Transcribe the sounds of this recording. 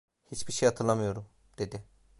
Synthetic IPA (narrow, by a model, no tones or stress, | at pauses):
hit͡ʃbiɾʃejat̪ʰɯlˠamɯjo̞ɾum | d̪̥e̞d̪ɪ